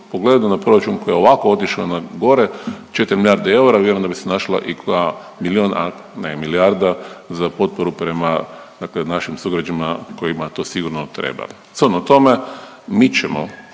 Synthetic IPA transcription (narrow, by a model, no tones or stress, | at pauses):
poɡle̞d̪unapɾo̞ɾat͡ʃunko̞jeoʋakoo̞t̪iʃaonaɡo̞ɾet͡ʃe̞t̪iɾmiljaɾd̪ee̞uɾavje̞ɾoemd̪abisenaʃla̰ʔikoa | miliona̰ | nemiliaɾd̪azapo̞t̪̚poɾupɾe̞mad̪aklenaʃimsuɡɾad͡ʒanimako̞jimat̪o̞siɡuɾnot̪ɾḛba̰ | sonot̪o̞me | mit͡ʃemo̰